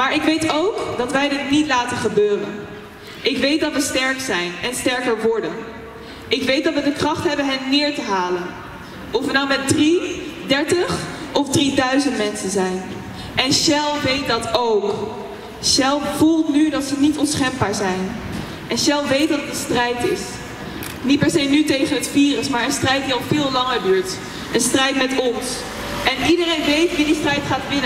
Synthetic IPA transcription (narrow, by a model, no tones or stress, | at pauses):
maːɹɪkʋejtowkdɑtʋɛjdɪtnitlaːtəχəbøːrə̰n | ʔɪkʋejt̚dɑtʋəstɛɹksɛjnɛnstɛɹkəɹʋɔɹdən | ʔɪkʋejt̚dɑtʋədəkrɑχtɦɛbənɦɛnːɪːɹtəɦaːlən | ʔɔfʋədɑwmɛt̚dridɛɹtəχɔfdridœɥzəntmɛnsənzɛjn | ʔɛnʃɛlˠʋejt̚dɑtowk | ʃɛlˠvulˠtnydɑtsənitɔnsχɛmbaːɹzɛjn | ʔɛnʃɛlˠʋejt̚dɑtdəstrɛjtɪs | nit̚pɛɹsejnytejχənɦətfiːrəsmaːɹənstrɛjt̚diɑlˠvɪːlˠlɑŋəɹdyːɹt | ʔənstrɛjtmɛtɔns | ʔɛnidərejnʋejtʋidistrɛjtχaːtʋɪnə